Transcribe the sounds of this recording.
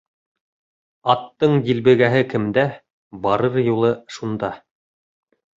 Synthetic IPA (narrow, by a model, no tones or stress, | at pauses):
ɑt̪ːɤɴj̪ilbɘ̆ɡæɦɘkɘ̆md̪æ | bɑɾɤɾjulˠɤʃund̪ɑ